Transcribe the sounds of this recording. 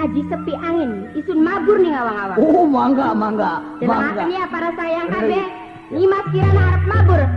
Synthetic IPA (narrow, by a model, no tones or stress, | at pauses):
ad͡ʒisəpiʔaŋɪnisʊnmabʊrniŋawaŋawaomaŋɡamaŋɡa | maɡaniapaɾasajaŋabɛ | nimaskiɾanhaɾəp̚mabʊr